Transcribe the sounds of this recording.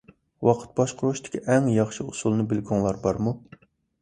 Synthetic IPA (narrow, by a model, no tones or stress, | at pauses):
wɑqʰə̥t̪̚bɑʃqʰʊɾuʃt̪ʰɪ̥kʲʰiʔɛŋjɑχʃɨusulˠnɨbɪlɡʲuŋlˠɑɾbɑɾmu